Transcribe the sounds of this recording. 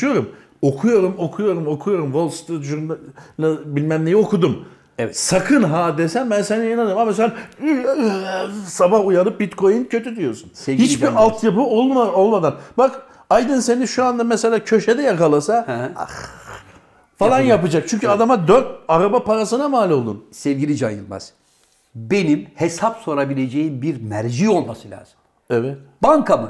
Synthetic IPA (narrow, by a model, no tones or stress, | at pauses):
jo̞ɾum | o̞kʰujo̞ɾumo̞kʰujo̞ɾumo̞kʰujo̞ɾumvo̞lˠst̪ʒunlabilʲmæmlʲejio̞kʰud̪um | sakʰɯnɦaːd̪ɛsæmbænseniinanɯɾmamas̬ela | sabahujaɾˠɯp̚bit̪kʰo̞jincʰø̞t̪yd̪yjo̞sunhit͡ʃbiɾalˠt̪ʰjapɯo̞lˠmad̪anbak | ajd̪ɯnse̞niʃuand̪amɛse̞lʲaːcʰø̞ʃed̪ɛjakalˠasa | falˠanjapɯd͡ʒak̚t͡ʃʰyɲcʰyad̪amad̪øɾt̪̚aɾabapaɾasɯnamaːlʲo̞lˠd̪ṵnsɛvɟilʲid͡ʒanjɯnˠma̰z | benimhesapso̞ɾabilʲed͡ʒejimbiɾmæɾd͡ʒio̞lˠmasɯlʲa̰ːz̥ɯm | ɛvɛt̪baŋkʰamɯ̰